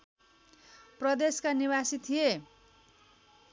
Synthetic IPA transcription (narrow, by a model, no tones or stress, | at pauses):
prʌd̪eskaniwasit̪ʰije